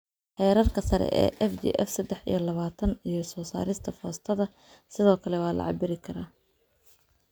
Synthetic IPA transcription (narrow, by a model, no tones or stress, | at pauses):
ħɛːɾɐrkʰɐsɐɾɛ̰ʔɛ̰ːʔɛfd͡ʒḭːʔɛfsɐd̪ɛħḭjɞlɐβaːt̪ʰɐnijɞsɔːsa̰ːɾɪst̪ʰɐfɔːst̪ʰɐðɐ | sɪðɔːkʰɐlɛwɑːlɐ̰ʕɑ̰bɪɾɪkʰɐɾaː